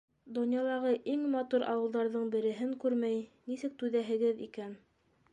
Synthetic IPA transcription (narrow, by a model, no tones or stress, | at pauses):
d̪ŏnjɑlˠɑʁɤʔiŋmɑt̪uɾʔɑ̰wɤ̆lˠd̪ɑɾðɤɴbɘ̆ɾɘ̆ɦɘŋkʉɾmæjnisɘk̚t̪ʉðæɦɘ̆ɡɘðḭkæn